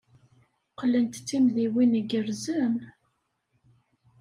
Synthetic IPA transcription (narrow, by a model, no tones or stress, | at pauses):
qlənt̪t͡sːimðiwiniɡəɾzəm